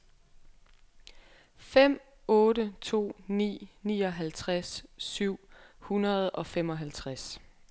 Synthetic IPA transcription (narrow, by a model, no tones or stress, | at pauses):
fem̰ | ɔ̽ːɾət͡sʰo̝̰ːnḭːniːɒ̽ɦælt͡sʰʁasːyʊ̰hunɐð̞̩ˠɒ̽fem̰ɒ̽ɦælt͡sʰʁas